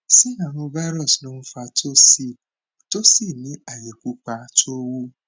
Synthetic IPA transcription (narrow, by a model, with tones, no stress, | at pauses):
si˦a˨nʊ˦va˦ɾɔ˨snʊ̃˦m̩˦fa˨tʰo˦si˦˨ | to˦si˦˨nɪ˦a˨je˨kʷu˦k͡pa˨tʰo˦wu˦